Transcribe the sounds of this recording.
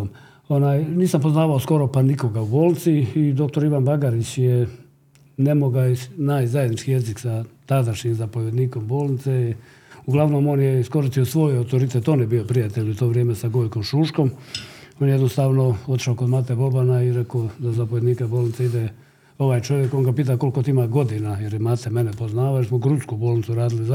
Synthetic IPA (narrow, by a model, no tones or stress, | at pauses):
m | onaːjniːsampo̞znaːʋaosko̞ɾo̞paniko̞ɡauboːlnt̪siːd̪o̞k̚t̪oɾiʋanbaɡaɾit͡ɕje | nemo̞ɡat͡ɕnaːjzajed̪nit͡ʃkije̞ziksat̪ad̪aʃɲimzapo̞ʋjed̪niːko̞mbo̞ːlˠnit̪sei | uɡlˠaʋno̞mo̞ːnjeisko̞ɾist̪ijo̞sʋo̞ːjawt̪oɾit̪et̪o̞ːnjebio̞pɾijat̪eʎʲut̪oʋɾje̞ːmesaɡojko̞mʃuːʃko̞monjjed̪nost̪aːʋno̞o̞t̪i̥ʃaokod̪mat̪ebo̞banaiɾekoːd̪azapoʋʲjed̪niːkaboːlnit̪seid̪e | o̞ʋaːjt͡ʃo̞ʋjeko̞nŋɡapiːt̪̬ako̞likot̪iimaɡo̞d̪inajeɾjemat̪emenepoznaːʋajeɾsmoɡɾut̪skuboːlnit̪suɾaːd̪ilia